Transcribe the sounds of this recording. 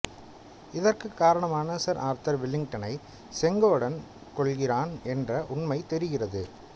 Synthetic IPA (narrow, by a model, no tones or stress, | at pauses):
ɪðɐrkɯkːaːɾɐɳɐmaːnɐsɐɾʔaːɾt̪ɐɾʋɪlːɪŋʈɐnɐɪ | sɛŋɡɐɯɽɐn | kɔɭɣɪraːnɛndrɐʔʊɳmɐɪt̪ɛɾɯɣɪrɐðɯ